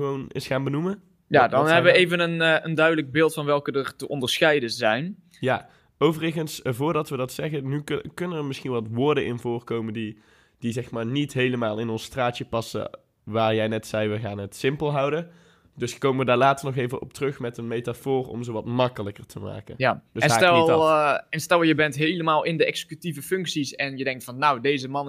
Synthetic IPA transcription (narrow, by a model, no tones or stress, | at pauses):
əʋownɪ̰sxaːnbənumə | jadɑnɦɛɛbəʋəejvənənəndœɥdələɡ̚bɪːlˠtfɑnʋɛlˠkədəɹtəʔɔndəɹsxɛjdəzɛjn | jaː | owvərəɣənsvʊːɹdɑtʋədɑtsɛɣənykɵnənəɹmɪsxinʋɑtʋʊːɹdəʔɪnvʊːrkowməndi | d̥izɛxmaːɹnitɦejləmaːlˠɪnɔnstraːtjəpɑsə̰ | ʋaːɹjɛjnɛtsɛjʋəɣaːnɦətsɪmpəlˠɦɑwdə | dɵskowməʋədaːɹlaːtərnɔχejvəʔɔ̰p̚trɵxmɛtənmejtafʊːrɔ̰mzowʋɑtmɑkələkərtʰəma̰ːkə̰nad̥əsɛnaːɛlˠ | ɛnstɛlˠjəbɛntɦejləmaːlˠɪndəʔɛksə̥kytivəfɵŋksisɛnjədɛŋktfɑnːawdejzəmɑn